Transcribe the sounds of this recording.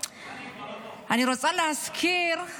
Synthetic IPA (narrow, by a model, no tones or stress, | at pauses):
aniɾɔt͡sʼalaskʰiɾ